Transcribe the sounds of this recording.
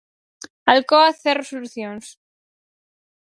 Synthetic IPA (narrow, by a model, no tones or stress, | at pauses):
alkoaθerosoluθjons